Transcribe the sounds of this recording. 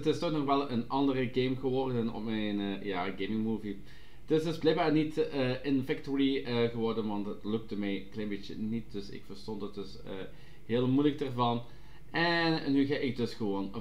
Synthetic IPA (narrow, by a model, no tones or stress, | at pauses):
ətɪstɔtnɔxʋɛlˠənɑndərəɡejmɣəʋɔrdənɔ̰pmɛjnəjaːɡejmɪŋmuːvi | d̥ɪstɪsblɛjɡ̚baːrnitəɪnfɛktuɹiəɣəʋɔrdənʋɑntətlɵk̚təmɛjklɛjnmbetjə̰nit̚d̥ɵsɪ̰kfərstɔntət̚d̥ɵs | əː | ɦeːlˠmujlək̚dərvɑn | ʔɛnːyɣaʔɪk̚dɵsxəʋoːn